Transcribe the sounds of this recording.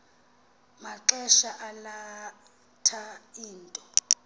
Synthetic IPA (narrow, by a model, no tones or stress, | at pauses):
maǁɛʃaʔala | tʰaiːntʼɔ